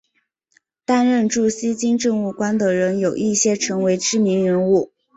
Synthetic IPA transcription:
t̪a˥nɻə˥˧nʈ͡ʂu˥˩ɕi˥t͡ɕi˥ŋʈ͡ʂɤ˥˧ŋu˥˩kwa˥nd̪ə˨ɻə˧˥njo˨˩ʊʔi˥˩ɕjɛ˥ʈ͡ʂʰɤ˧˥ŋwe˧˥ɪʈ͡ʂɻ̩˥mi˧˥ŋɻə˧˥nu˥˩

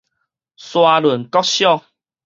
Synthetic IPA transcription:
swa˧lwu˨˩nkɔ˦k̚ɕjɔ˥˧˨

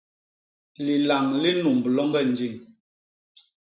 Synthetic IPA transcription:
li˨la˨ŋli˦nu˨m˨bə˨lɔ˦ŋɡɛ˦˨n̩˨d͡ʒi˦˨ŋ

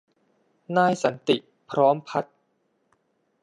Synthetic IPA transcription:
naː˧jsa˩˦nt̪i˨˩ | pʰɾɔː˦˥mpʰa˦˥t̪̚

